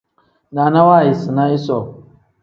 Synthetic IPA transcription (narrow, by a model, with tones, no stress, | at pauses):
na˨na˦wa˦˨ji˨si˨na˦i˦sɔ˨